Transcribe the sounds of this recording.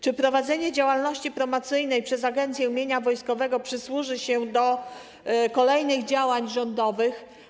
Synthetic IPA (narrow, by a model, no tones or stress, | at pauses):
t͡ʂɘpɾɔvad̪zɛɲɛd͡ʑawalnɔɕt͡ɕipɾɔmɔt̪sɘjnɛjpʂɛzaɡɛnt̪sʲjɛumʲjeɲavɔjskɔvɛɡɔpʂɘswuʐɘɕɛd̪ɔ | kɔlɛjnɘɣd͡ʑawaɲʐɔnd̪ɔvɘx